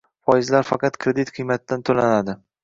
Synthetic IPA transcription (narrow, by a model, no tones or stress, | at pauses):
fɒjɪzlaɾfɑqʰɑt̪kʰɾed̪it̪qʰɨjmat̪̚d̪ant̪ʰolanad̪ɪ